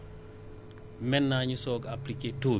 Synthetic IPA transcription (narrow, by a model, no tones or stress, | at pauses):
mɛnːaɲusɔɡapliketu